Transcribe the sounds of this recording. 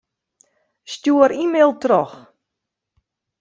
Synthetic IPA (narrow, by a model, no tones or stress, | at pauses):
stjuəɾimeːlˠtrɔx